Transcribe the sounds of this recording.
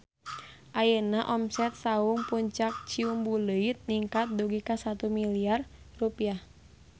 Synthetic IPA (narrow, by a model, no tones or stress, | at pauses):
ʔajənaʔɔmsɛt̪̚sauŋpuɲt͡ʃak̚t͡ʃiumbuləit̪̚niŋkat̪̚duɡikasat̪umiliarrupiah